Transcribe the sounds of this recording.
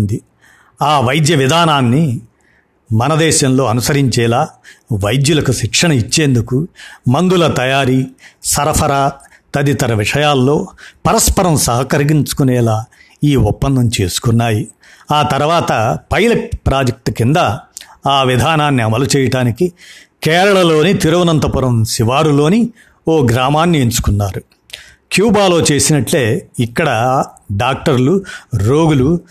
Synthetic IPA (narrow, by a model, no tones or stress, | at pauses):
nd̪i | aːʋɐjd̪jɐʋid̪ʱaːnaːnːi | mɐnɐd̪ɛːʃɐnlo̞ːɐnusɐɾiɲt͡ʃɛːlaːʋɐjd̪julɐkuʃikʂɐɳɐit͡ʃːeːnd̪ukumɐnd̪ulɐt̪ɐjaːɾisɐɾɐpʰɐɾa | t̪ɐd̪it̪ɐɾɐʋiʂɐjaːlːo̞ːpɐɾɐspɐɾɐmsɐɦɐkɐɾiɡiɲt͡ʃu̥kunɛːlaː | iːɔpːɐnd̪ʱɐmt͡ʃe̞ːsu̥kunːaːji | aːt̪ɐɾuʋaːt̪ɐpɐjlɐʈ̚pɾaːd͡ʒɐk̚ʈkind̪ɐaːʋid̪ʱaːnaːnːiɐmɐlut͡ʃɛːjɐʈaːnikikɛːɾɐɭɐlo̞ːnit̪iɾɐʋɐnɐnt̪ɐpuɾɐmsiʋaːɽulo̞ːni | oːɡɾaːmaːnːieɲt͡ʃu̥kunːaːɾu | kjuːbaːlo̞ːt͡ʃe̞ːsinɐʈle̞ːikːɐɽɐɖaːk̚ʈɐɾluɾoːɡulu